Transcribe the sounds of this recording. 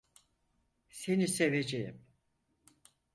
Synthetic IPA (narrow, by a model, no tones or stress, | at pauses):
se̞niseved͡ʒejḭm